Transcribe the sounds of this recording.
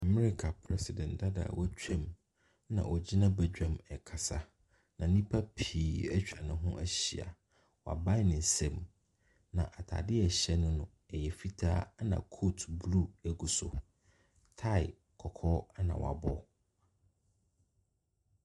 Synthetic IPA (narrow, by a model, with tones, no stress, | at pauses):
a˨mɛ˦ɾi˨kʰa˨pʰɾɛ˦si˨dɛ̃˨nda˦da̰˨wɔ˦t͡ɕʰᶣɛ̃˦m | nã̰˨ʔɔ˨d͡ʑi˦nã˦bɛ˨d͡ʑᶣã˨mɛ˨kʰa˨sa˨ | nã˨nĩ˦pʰa˦pʰiː˨ɛ˦t͡ɕᶣa˨nʊ̃˨ɦʊ̃˦ʔæ˦ɕi˨a̰˨ | wɔ˨a̰˨ba˦ɪ˦nɪ̃˨n˨sɛ̃˦˨m | nã˨ʔa˨tʰa̰˨dɪ˦ɛ˨ɕɛ˦nʊ̃˦nʊ̃˨ | ɛ˨jɛ˨fi˦tʰa̰ː˦a˦nã̰˨kʰo˦tʰblu˦˨æ˨ɡu˨sʊ̰˨ | tʰa˦ɪ˨ | kʰɔ˨kʰɔː˦a˦nã̰˨wa̰˨bɔ˦